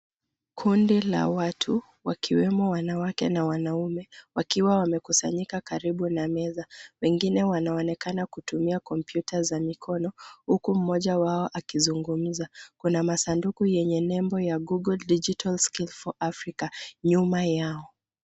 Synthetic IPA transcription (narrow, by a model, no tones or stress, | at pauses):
kʰundila̰watʰu | wakʰiwɛmɔwanawakɛnawanaumɛwakiwawamɛkusa̰ɲikakaɾiɓunamɛzawɛŋɡinɛwanaɔnɛkanakutumiakɔmpjutazamikʰɔnɔhukum̩mɔʄawaɔʔakizuŋɡum̩zakunamasandukujɛɲɛnɛmbɔjaɡuɡɔldid͡ʒitʰalskilfɔʔafɾikaɲumajaɔ